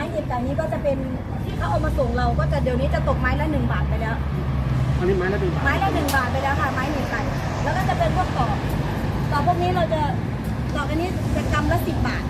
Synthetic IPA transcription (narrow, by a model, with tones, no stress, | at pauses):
maː˦˥jni˧˩n̚k̪aː˨˩niː˦˥kɔː˥˩t͡ɕa˨˩pe˧n | t̪ʰiː˧˥˩kʰa˧˥˩ʔaː˨˩k̚maː˧soː˨˩˦ŋɾa˧wkɔː˥˩t͡ɕa˨˩di˨˩əwniː˦˥t͡ɕa˨˩t̪o˨˩k̚maː˦˥jlɛ˦˥wnɯ˨˩ŋbaː˨˩t̪̚pa˧jlɛː˦˥w | ni˦˥aː˦˥jlɛː˦˥nɯ˨˩a˨maː˦˥jlɛː˦˥nɯ˨˩ŋbaː˨˩t̪̚pa˧jlɛː˦˥wkʰa˥˩maː˦˥jni˨˩ka˧˩n | lɛː˦˥wkɔː˥˩t͡ɕa˨˩pe˧npʰu˥˩ək̚sɔː˨˩˦p̚ | sɔː˨˩pʰu˥˩əkniː˦˥ɾa˧wt͡ɕa˧˩ | sɔː˨˩k̚ʔa˧nːiː˦˥sʰeː˨˩k̪ʰa˧mlɛː˦˥si˨˩p̚baː˨˩t̪̚